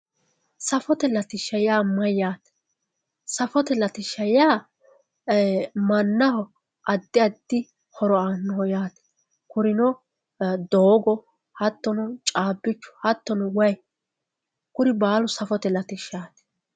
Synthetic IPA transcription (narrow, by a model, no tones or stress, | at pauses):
sɐfɔt̪ɛlɐt̪ɪʃːɐjaːmɐjːaːt̪ɛ̥ | sɐfɔt̪ɛlɐt̪ɪʃːɐjaː | mɐnːɐhɔ | ʔɐd̪ːɪɐd̪ːɪ | hɔɾɔanːɔhɔjaːt̪ɛ̥ | kʊɾɪnɔ | d̪oːɡɔ | hɐt̪ːɔnɔt͡ʃʼaːbːɪt͡ʃːʊ̥hɐt̪ːɔnʊwɐj | kʊɾɪbaːlʊsɐfɔt̪ɛlɐt̪ɪʃːaːt̪ɛ̥